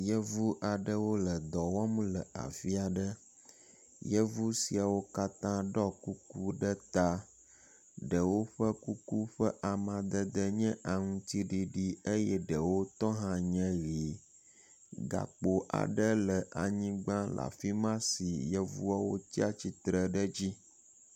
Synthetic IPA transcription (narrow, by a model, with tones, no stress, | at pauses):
jɛ˦vu˦ʔa˨ɖə˦wo˦lə˨d̪ɔ˨wɔ˦m˦lə˨a̰˨fi˦a˨ɖə˦ | jə˦vu˦si˨a˨wo˦ka˦t̪ã˦ɖɔ˦ku˦ku˦ɖə˦t̪a˦ | ɖə˨wo˦ɸə˦ku˦ku˦ɸə˦ʔa˨mã˨d̪ə˦d̪ə˦ɲɛ̃˦ʔa˨ŋũ˦t̪i˦ɖi˦ɖi˦e˦jɛ˦ɖə˨wo˦t̪ɔ˦ɦã˦ɲɛ̃˦ɣi˨ | ɡa̰˨k͡po˨ʔa̰˨ɖə˦lə˨ʔa˨ɲĩ˦ɡ͡bã˦la̰˨fi˦mã˦si˨jɛ˦vṵ˦a˦wo˦t̪i˦a˦t͡ɕi˦t̪ɾə˨ɖə˦d͡ʑi˦